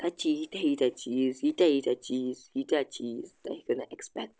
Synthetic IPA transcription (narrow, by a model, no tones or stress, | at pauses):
tat͡ʃiitahitat͡ʃishitajitat͡ʃishitat͡ʃista̰ikʊnaʔɛkspɛk̚t̚